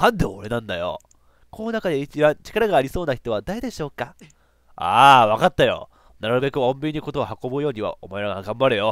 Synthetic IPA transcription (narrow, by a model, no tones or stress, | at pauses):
hãnd̪oːɾe̞nãnd̪ajo̰ | kʰoːonakad̪e̞it͡ɕibãɲt͡ɕi̥kaɾaɡaːɾʲiso̞ːnaçi̥t̪o̞β̞ad̪aed̪e̞ɕo̞ːka | a̰ːβakat̪ːajo̞̰ | naɾɯ̟be̞kɯ̟õ̞mbʲiɲiko̞t̪o̞ːhako̞bɯ̟jo̞ːɲ̟iβa̰ʔo̰maeɾaɡaɡãmbaɾɯ̟jo̞